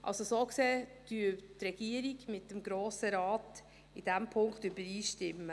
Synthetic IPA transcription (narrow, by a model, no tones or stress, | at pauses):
ʔɑ̰lsosoːkseːd̥yətrɛɡ̥iəɾiɡmɪtːəmɡɾoːsəɾɑːt | id̥æmpʰʊŋkχtybəɾiːʃtɪmːə